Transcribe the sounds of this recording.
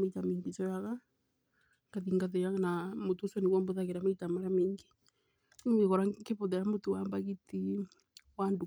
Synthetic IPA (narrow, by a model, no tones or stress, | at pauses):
meitamiŋɡisɔjaɣa | ŋɡ̥aðiŋɡaðejanamotusɔniwɔmboðaɣeɾamaitamaɾameŋɡi | eɣɔɾakeβoðɛɾamotowambaɣiti | wandu